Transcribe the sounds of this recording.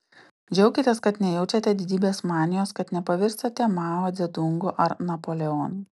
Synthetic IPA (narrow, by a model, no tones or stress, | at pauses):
d͡ʒʲɛʊkʲɪt̪ʲeːskɐt̪nʲɛjɛʊt͡ʃʲɛt̪ʲɛd̪ʲɪd̪ʲiːbʲeːsmɑːnʲɪjoːskɐt̪nʲɛpɐʋʲɪɾʲst̪ɐt̪ʲɛmɑːmɐɛd̪ʊŋɡʊʔɐɾnɐpoːlʲɛɔːnu